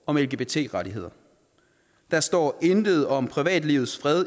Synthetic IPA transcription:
ɒ̽melɡ̥e̝b̥e̝t͡sʰe̝̰ːʁɑɾiɦe̝ð̞̰ˠɐ | d̥ɑ̈sd̥ɒ̰ːe̝nd̥əð̞̩ˠɒ̽mpʰʁiʋɛ̰ːd̥lḭːʊð̩ˠsfʁɛð̞ˠ

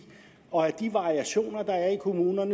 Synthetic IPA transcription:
ɒ̽æɐd̥iʋɑ̈ʁiæɕo̝̰ːnɐd̥ɑ̈æɐikʰo̝muːnɐnə

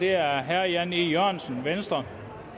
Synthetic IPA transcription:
d̥eæɐɦæjænijøɐ̰nsn̩ʋensd̥ʁɐ

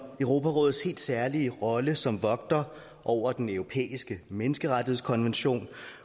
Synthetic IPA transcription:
œʊʁo̝ːpʰæʁɔ̽ːð̩ˠshe̝̰ːld̥sæɐliəʁɒ̽ləsɒ̽mʋɒ̽ɡ̥̚d̥ɐ | ʔɒʊ̰ɐd̥enœʊʁo̝pʰḛːisɡ̥əmenəsɡ̥əʁad̥ihe̝skʰɒ̽nʋenɕo̝̰ːn

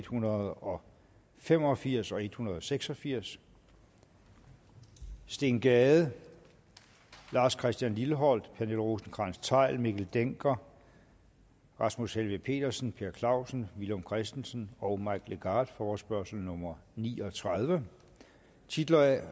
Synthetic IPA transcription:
d̥hunɐð̩ˠɒ̽ | fem̰ɒ̽fiɐ̰sɒ̽e̝d̥hunɐð̞ˠɒ̽seɡ̥sɒ̽fiɐ̰s | d̥e̝ːnɡ̥ɛːð̩ˠ | lɑ̈ːskʰʁɛsd̥jænliləɦɒ̽l̰d̥pʰæɐnelʁo̝ːsn̩kʰʁɑ̈nst͡sʰɑ̈ɪ̰lmeɡ̥l̩d̥eŋ̰ɡ̥ɐ | ʁɑ̈smushelʋipʰe̝̰ːd̥ɐsn̩pʰe̝ɐkʰlɑ̈ʊ̰sn̩ʋilomkʰʁɛsd̥en̩sn̩ɒʊmɑ̈ɪɡ̥leɡ̥ɑ̈ːd̥fɒːsb̥ɶɐsl̩nɔ̽mɐnḭːɒ̽t͡sʰʁað̞ˠʋə | t͡sʰid̥lɐ

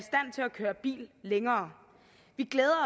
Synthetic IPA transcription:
isd̥æn̰t͡sʰe̝lækʰøːɐb̥ḭːlːeŋɐː | ʋiɡ̥leːðˠɐɒ

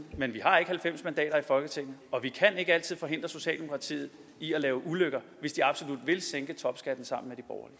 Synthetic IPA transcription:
menʋiɦɑ̈e̝ɡ̥əhælfem̰smænd̥ɛ̰ːɾɐifɒ̽lɡ̥ət͡sʰe̝ŋ̰n̩ˠɒ̽ʋikʰæne̝ɡ̥əæl̰t͡sʰið̰ˠfɒ̽ɦe̝n̰d̥ʁɐso̝ɕɛ̰ːld̥emo̝kʰʁɑ̈t͡sʰḭːð̩ˠ | iælɛːʊəʔuløɡ̥ɐ | ʋe̝sd̥iɑ̈b̥so̝lud̥ʋe̝lseŋɡ̥ət͡sʰɒ̽b̥sɡ̥æd̥n̩sɑ̈m̰n̩med̥ib̥ɒʊɐli

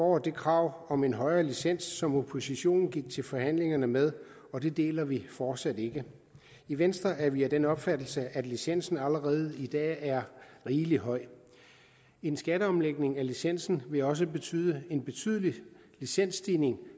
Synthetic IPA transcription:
fɒ̰ːd̥e̝kʰʁɑ̈ːʊ̰ɒ̽me̝nɦɒ̽ɪɐːlisen̰sːɒ̽mo̝pʰo̝siɕo̝̰ːnn̩ɡ̥iɡ̥̚t͡sʰe̝lfɒ̽hæn̰le̝ŋɐnəmeð̞ˠ | ɒ̽d̥e̝d̥e̝̰ːlɐʋifɒːd̥sæd̥e̝ɡ̥ə | iʋensd̥ʁɐæɐʋiæd̥enɒ̽b̥fæd̥l̩səʔæd̥lisen̰sn̩æləʁɛːð̞̩ˠid̥ɛ̰ːæɐʁiːliɦɒ̽ɪ̰ | e̝nsɡ̥æɾəɒ̽mleɡ̥ne̝ŋælisen̰sn̩ʋe̝ɒ̽s̬əb̥e̝t͡sʰy̰ːðˠəe̝nb̥e̝t͡sʰy̰ːð̞ˠəli | lisen̰sd̥iːne̝ŋ

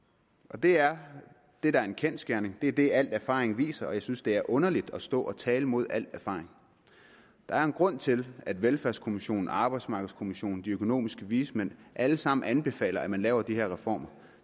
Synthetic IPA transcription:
ʔɒ̽d̥e̝æɐ | d̥e̝ɾ̥ɑ̈æɐe̝nkʰensɡ̥æɐne̝ŋd̥e̝æɐd̥e̝æl̰d̥æɐfɑ̰̈ːʁeŋʋḭːsɐɒ̽jɑ̈ɪsynsd̥e̝æɐʔɔ̽nɐlid̥ɒ̽sd̥ɔ̰̽ːɒ̽t͡sʰɛːləmo̝ð̞̰ˠæl̰d̥æɐfɑ̈ːʁeŋ | d̥ɑ̈æɐe̝nɡ̥ʁɔ̽n̰t͡sʰe̝læd̥ʋelfæɐskʰo̝miɕo̝̰ːn̩ɑ̈ːb̥ɑ̈ɪd̥smɑ̈ːɡ̥ð̩ˠskʰo̝miɕo̝̰ːn̩d̥iøkʰo̝no̝̰ːmisɡ̥əʋiːsmenʔæləsɑ̈m̰n̩ænb̥e̝fɛ̰ːlɐæmænlɛːʊɐd̥iheɐʁɛfɒ̰ːmɐ

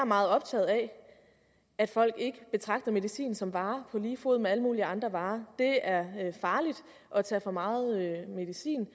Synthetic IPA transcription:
ɑmɑ̈ːð̩ˠɒ̽b̥̚t͡sʰɛ̰ːð̞̩ˠæ | æd̥fɒ̽l̰ɡ̥e̝ɡ̥əb̥e̝t͡sʰʁɑ̈ɡ̥d̥ɐme̝ðˠisḭːnsɒ̽mʋɑ̈ːpʰɒ̽liːfo̝ð̩ˠmeæləmṵːliɑ̈nd̥ʁɐʋɑ̈ːd̥e̝æɐfɑ̈ːlid̥ | ʔɒ̽t͡sʰɛ̰ːfɒ̽mɑ̈ːð̩ˠøme̝ðˠisḭːn

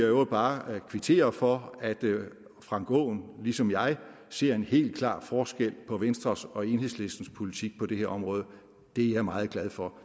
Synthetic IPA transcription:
ob̥ɑ̈ːkʰʋit͡sʰe̝̰ːɐfɒ̽æd̥ | fʁɑ̈ŋ̰ɡ̥ɔ̰ːnlisɒ̽mjɑ̈ɪ | se̝ɐ̰e̝nhe̝̰ːld̥̚kʰlɑ̰̈ːfɒːsɡ̥el̰pʰɒ̽ʋensd̥ʁɐsɒ̽e̝nheðˠsle̝sd̥n̩spʰo̝lit͡sʰiɡ̥̚pʰɒ̽d̥e̝heɐ̰ɒ̽mʁɔ̽ːð̞ˠə | d̥e̝jɑ̈mɑ̈ːð̞̩ˠɡ̥læð̞ˠfɒ̽

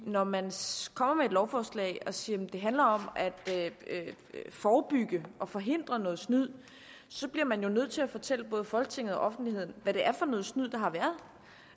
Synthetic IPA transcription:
nɒmænkʰɒ̽m̰ɐmeːd̥lɒʊfɒːslɛ̰ɪ̰ɒ̽siːɐd̥e̝ɦændlɐɒ̽mæd̥ | fɒːb̥yɡ̥əʔɒ̽fɒ̽ɦe̝n̰d̥ʁɐnɔ̽ːð̩ˠsnyð̰ˠ | sɒ̽b̥liɐmænjo̝nøð̞̰ˠt͡sʰe̝æfɒ̽t͡sʰel̰əb̥ɔ̽ːð̞̩ˠfɒ̽lɡ̥ət͡sʰe̝ŋð̩ˠɒ̽ʔɒ̽fn̩d̥lihe̝ð̞̰ˠn̩ʋæɾ̥e̝ʔæɐfɒ̽nɔ̽ːð̞̩ˠsnyð̰ˠd̥ɑ̈ɦɑ̈ʋæːɐð̞ˠ

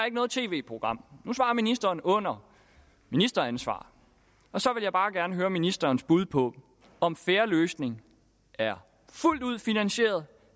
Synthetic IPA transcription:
æɐe̝ɡ̥ənɔ̽ːð̞̩ˠt͡sʰe̝̰ːʋe̝ːpʰʁo̝ɡ̥ʁɑ̈m̰nusʋɑ̈ːminisd̥ɐːnɔ̽n̰ɐ | minisd̥ɐænsʋɑ̰̈ː | ɒ̽sɒ̽ʋe̝ljɑb̥ɑ̈ːɡ̥æɐnəɦøːɐminisd̥ɐːnsb̥uð̞ˠpʰɒ̽ | ɒ̽mfeːɐløːsne̝ŋ | æɐ | ful̰d̥uð̞̰ˠfinænɕe̝̰ːɐðˠ

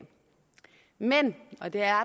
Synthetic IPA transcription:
menɒ̽d̥e̝æɐ

